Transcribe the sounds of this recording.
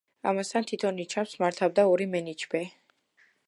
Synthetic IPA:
a̰mast̪ʰant̪ʰit̪ʰɔnːit͡ʃʰamsmaɾt̪ʰavd̪aɔɾimɛnid͡ʒbɛ

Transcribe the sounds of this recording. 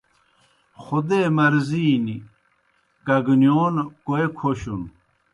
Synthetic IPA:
xod̪eːmɐɾziːni | kɐɡnjoːnkoekʰoɕun

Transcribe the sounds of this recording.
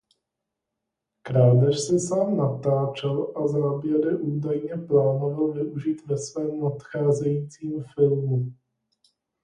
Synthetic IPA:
kɾaːdɛʃsɛsaːmnat̪aːt͡ʃɛlʔazaːbjɛɾɪʔuːdajɲɛplaːnovalvɪʔuʒit̪vɛsvɛːmnat̪xaːzɛjiːt͡siːmfɪlmu

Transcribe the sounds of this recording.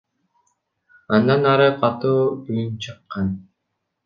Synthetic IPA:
ɑnd̪ɑnɑɾɯqɑt̪uːyjynt͡ʃʰɯqːɑn

